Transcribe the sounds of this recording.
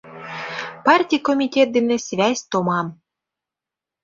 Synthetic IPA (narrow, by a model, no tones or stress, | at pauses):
pɑrtʲijkomʲitʲet̪̚d̪enĕsʲβʲæsʲt̪omɑm